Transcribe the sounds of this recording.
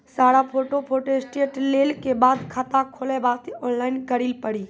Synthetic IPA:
saːɽapʰoːʈopʰoːʈoesʈeːʈleːlkebaːd̪kʰat̪akʰoːlebaːt̪iɔːnlaːɪnkəɾilpəɽi

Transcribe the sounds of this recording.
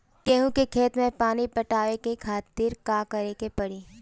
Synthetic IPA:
kɛːɦũkekʰeːt̪mẽpaːnipɐʈaːʋekekʰaːt̪iːɾkaːkɐɾekepɐɽiː

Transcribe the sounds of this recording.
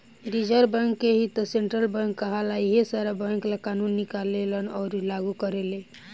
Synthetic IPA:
ɾid͡ʒəɾbəŋkːeɦit̪ɔseɳʈɾəlbə̃ŋkːəɦəlaiɦesaɾabə̃ŋklakanunːikalelənɔɾlaɡukəɾele

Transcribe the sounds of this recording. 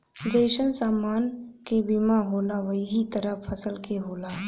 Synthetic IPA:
d͡ʒəɪʃənsaːmaːnkebimaɦoːlaʋəɦiɦit̪əɾəpʰəsəlkeɦoːlaː

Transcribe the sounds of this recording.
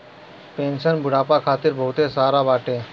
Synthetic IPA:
pẽːnsənbʱʊɽaːpakʰaːt̪iɾbʱəɦut̪esaːɾabaːʈeː

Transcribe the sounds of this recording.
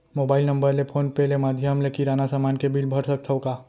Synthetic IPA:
moːbaːɪlnɐ̃mbəɾlepʰoːnpelemaːd̪ʱjəmlekiɾaːnasamaːnkebilbʱəɾsək̚t̪ʰəokaː

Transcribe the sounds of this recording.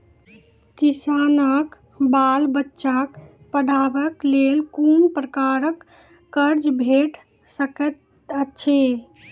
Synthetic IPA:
kisanək | balbətːʃak | pəɽʱabəklelkunpɾəkaɾəkː | əɾd͡ʒbʱeʈ | səkət̪ | əːt͡ʃʰe

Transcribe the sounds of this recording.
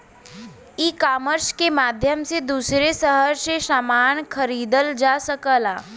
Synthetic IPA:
ikaːməɾskemaːd̪ʱjəmsed̪uːsɾesəɦəɾsesaːmaːnkʰəɾiːd̪əld͡ʒaːsəkəlaː

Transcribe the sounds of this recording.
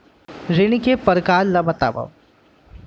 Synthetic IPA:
ɾeɽ̃ikepɐɾkaːllɐbɐt̪a̰ːbɐ̰w

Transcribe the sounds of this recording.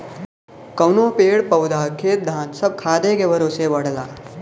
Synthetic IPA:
kɐwnõpeːɽpɐwd̪ʱaːkʰeːt̪̚d̪ʱaːnsɐb̚kʰaːd̪ekebɐɾoseʋɐɽlaː

